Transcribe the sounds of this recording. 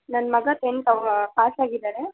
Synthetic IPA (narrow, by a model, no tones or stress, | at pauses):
nɐnmɐɡɐt̪eɳʈɐʋpaːsaːɡid̪aːɾe